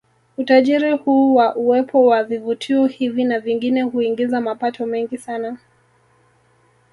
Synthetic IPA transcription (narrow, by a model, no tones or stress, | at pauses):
utaʄiɾihuːwaʔuwɛpʰɔwavivutʰiɔhivinaviŋɡinɛhuiŋɡizamapatʰɔmɛŋɡisana